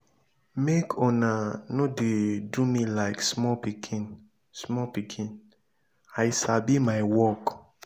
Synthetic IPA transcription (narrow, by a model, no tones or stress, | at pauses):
mekʰɔ̃nanodedumĩlaɪksmɔpikʰĩn | smɔpikʰĩn | ajsabimaɪwɔk